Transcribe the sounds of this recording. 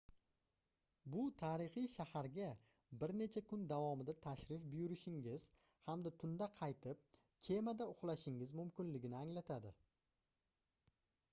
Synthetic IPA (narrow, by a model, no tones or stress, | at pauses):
bʊt̪ʰaɾɪχijʃahaɾɡʲa | bɪɾne̞t͡ʃʰakʰʊnd̪avɒmɪd̪at̪ʰaʃɾɪfbʊjʊɾɪʃɪŋɡʲɪz̥ | hamd̪at̪ʰʊnd̪aqʰɑjt̪ʰɪp̚ | kʲʰe̞mad̪aʊχlˠaʃɪŋɪzmʊmkʲɪnlɪɡʲɪnɪaŋlat̪ʰad̪ɪ